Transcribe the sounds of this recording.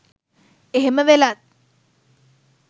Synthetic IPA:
eɦeməʋelat̪̚

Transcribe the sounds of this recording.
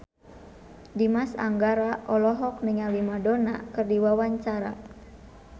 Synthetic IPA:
dimasa̰ŋɡaɾaʔɔlɔɦɔk̚niŋawimadona̰kɨrdiwawaɲt͡ʃaɾa̰

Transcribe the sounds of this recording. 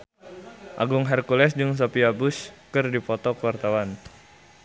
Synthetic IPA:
ʔa̰ɡuŋɦɛrkulɛsd͡ʒɨŋs̬opiabuskɨrdipɔt̪ɔkəwart̪awan

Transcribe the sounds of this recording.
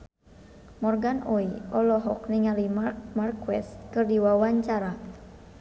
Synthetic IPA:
mɔrɡanʔɔiɔlɔɦɔkniŋalimark̚markwɛ̰st̪̚kɨrdiwawaɲt͡ʃaɾa

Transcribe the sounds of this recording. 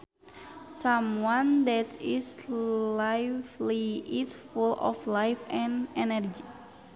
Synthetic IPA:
sãmwãndɛtislajfliʔisfulɔ̰flajfɛ̃nɛnərd͡ʒi

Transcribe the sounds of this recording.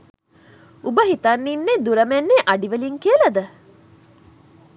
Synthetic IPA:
ubəɦit̪ɐnːinːed̪uɾɐmenːeʔɐɖiʋeliŋkiəlɐd̪ə

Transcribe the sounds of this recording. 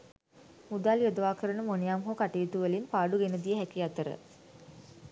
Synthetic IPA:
mud̪aːljod̪əʋaːkəɾənəmonijamɦokaʈijːt̪uʋəlinpaːɖuɡenəd̪ijəɦækiat̪əɾə̰

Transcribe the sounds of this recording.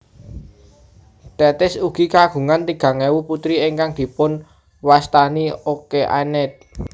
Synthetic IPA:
t̪ɛt̪ɪsuɡ̥i̤kaɡ̥ṳŋant̪iɡ̥ä̤ŋewuput̪ɾiɪŋkaŋd̪̥i̤pʊn | wast̪aniokeʔa̰nɛt̪̚

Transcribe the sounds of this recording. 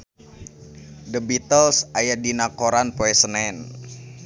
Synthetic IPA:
dəbit̪əlsajadinakoɾanpoɛsənɛn

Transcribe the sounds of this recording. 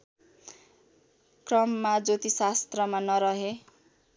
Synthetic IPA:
krʌmːad͡zot̪isast̪rʌmanʌɾʌɦe

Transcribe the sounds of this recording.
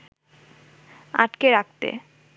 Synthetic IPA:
aʈkeɾak̚t̪ḛ

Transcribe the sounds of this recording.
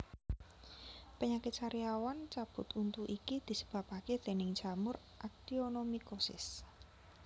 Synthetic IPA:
pəɲakɪt̪̚t͡ʃaɾiawant͡ʃab̥ʊ̤t̪unt̪uʔikid̪̥i̤sə̥b̥a̤paket̪enɪŋ̥ʒ̥a̤mʊr | ʔak̚d̪̥ionomikosɪ̰s

